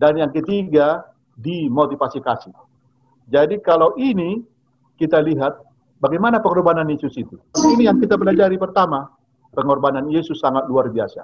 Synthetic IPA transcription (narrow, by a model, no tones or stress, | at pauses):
danjaŋkət̪iɡa | dimot̪ifasikasɪh | d͡ʒadikalawʔini | kit̪aliɦat̪̚ | baɡajmanapəŋɔrbananjesʊsit̪uinijaŋkit̪abəlad͡ʒaɾipərt̪ama | pəŋɔrbananjesʊsːaŋat̪̚luarbiasa̰